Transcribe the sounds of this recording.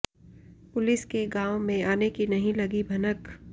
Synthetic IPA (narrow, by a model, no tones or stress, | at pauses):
pʊlɪskeɡaːwõmẽaːnekinɐɦĩlɐɡibʱɐnək